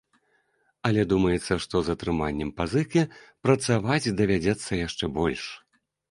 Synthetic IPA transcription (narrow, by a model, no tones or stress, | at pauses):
ɐlʲɛd̪umɐjɛt̪sːɐʂt̪ɔzɐt̪ɾɨmanʲːɛmpazɨkʲipɾɐt̪savat͡sʲd̪ɐvʲad͡zʲɛt̪sːɐjaʂt͡ʂɛbɔlʲʂ